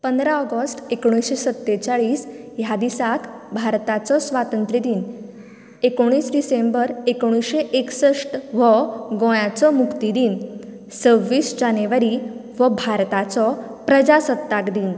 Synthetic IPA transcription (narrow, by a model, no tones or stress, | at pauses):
pənd̪ɾaɔɡəsʈekoɽ̃isɕesət̪ːet͡saɭiːsjad̪isakbʱaɾt̪at͡sɔsʋat̪ənt̪ɾid̪iːn | ekoɽ̃iːsɖisembəɾekoɽ̃iɕeʔeksəʂʈʋəɡɔ̃jat͡sɔmukt̪id̪iːn | t͡səʋːiːsd͡ʑaneʋaɾiʋəbʱaɾt̪at͡sɔ | pɾəd͡ʑasət̪ːakd̪iːn